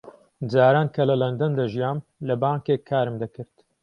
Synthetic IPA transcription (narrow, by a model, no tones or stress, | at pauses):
d͡zaːɾaːnkʰɐlɐlɐnd̪ɐnd̪aʒijaːmlɐbaːŋkeːkʰːaːɾɨmd̪ɐkɨɾt̪